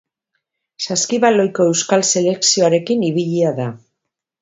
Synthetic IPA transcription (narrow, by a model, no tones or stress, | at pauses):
saskiβalo̞jko̞e̞wskalse̞le̞ksio̞aɾe̞kiniβiʎiaða